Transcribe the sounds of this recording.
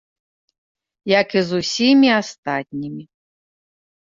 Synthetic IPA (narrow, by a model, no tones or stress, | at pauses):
jɐkizusʲimʲiast̪at̪ʲnʲimʲi